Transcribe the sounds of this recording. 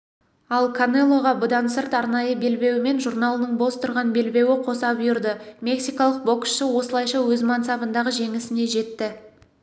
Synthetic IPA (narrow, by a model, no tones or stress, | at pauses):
ɑlˠkʰonelˠːo̞ʁɑbʊd̪ɑnsəɾt̪ɑɾnɑjəbe̞lbe̞wɪme̞nʒurnalˠənəɴbo̞st̪ʰʊɾʁɑnbe̞lbe̞wɪqʰo̞sɑpjʊɾd̪əmʲe̞ksijkɑlˠəq̚bo̞ksʃəwo̞səlˠɑjʃɑwɵzmɑnt̪sɑpənd̪ɑʁəʒe̞ŋɪsɪne̞ʒe̞t̪ːɪ